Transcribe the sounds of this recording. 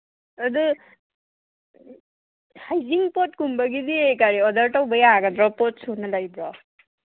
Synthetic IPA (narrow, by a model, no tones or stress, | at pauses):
ɐdɯ | hajziŋpɔt̚kumbaɡidiekaɾiɔdaɾtawbajaɡadɾɔpɔt̚sunalajbɾɔ